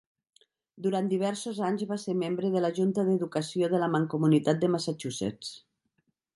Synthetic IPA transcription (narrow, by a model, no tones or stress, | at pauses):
d̪uɾant̪d̪iβ̞ɛɾsozaɲzβaseɾmembɾəðələʒunt̪əðəðukəsijoð̞ələmaŋkumunit̪at̪̚d̪əmasat͡ʃusḛt͡s